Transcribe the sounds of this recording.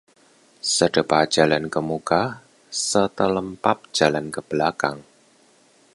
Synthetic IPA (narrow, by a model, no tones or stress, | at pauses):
səd̥əpḁd͡ʒ̥alankəmuka | sət̪ələmpap̚d͡ʒ̥alankəb̥əlakaŋ